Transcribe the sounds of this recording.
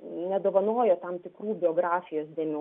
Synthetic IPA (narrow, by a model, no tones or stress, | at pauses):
nʲɛd̪oːʋɐnoːjoːt̪ɐmt̪ʲɪkɾuːbʲɪoːɡɾɑːfʲɪjoːsd̪ʲeːmʲɪ